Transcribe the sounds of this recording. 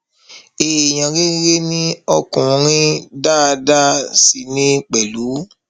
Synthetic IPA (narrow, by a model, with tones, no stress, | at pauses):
e˨j̃ã˨ɡe˦ɡe˦nĩ˦ɔ˧kũ˨˧ɾ̃ĩ˦da˦˨da˦si˨˧nĩ˦k͡pɛ˨lu˨˦